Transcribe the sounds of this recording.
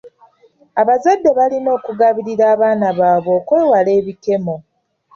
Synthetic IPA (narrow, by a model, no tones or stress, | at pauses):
aβazadːe̞βalino̞ːkuɡaβiɾiɾaːβaːnaβaːβo̞ːkwe̞ːwale̞ːβike̞mo̞